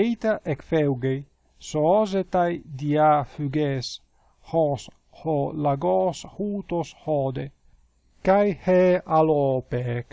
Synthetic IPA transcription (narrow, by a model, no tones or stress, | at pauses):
ejt̪aʔekfɛwɡej | soɔzet̪ajd̪iafyɡɛs | hɔs | holaɡɔshuːt̪oshɔd̪e | kajhɛalɔpek